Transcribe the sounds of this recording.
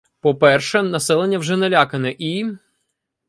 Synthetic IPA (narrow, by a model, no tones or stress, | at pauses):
pɔpɛrʃɛnɐsɛlˠenʲːɐwʒɛnɛlʲakɐnɛʔi